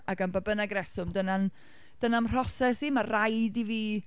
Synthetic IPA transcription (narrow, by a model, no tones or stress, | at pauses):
aɡanbabənaɡɾɛsʊmdənan | d̥ənamr̥ɔsɛsimarrajdiviː